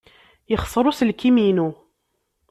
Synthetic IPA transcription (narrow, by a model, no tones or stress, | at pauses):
jəχsˤəɾˤusəlkiminu